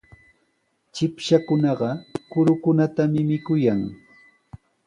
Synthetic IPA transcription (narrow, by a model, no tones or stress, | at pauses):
t͡ʃɪpʃakʊnɑɢɑkʊɾʊkʊnat̪amɪmɪkʊjaŋ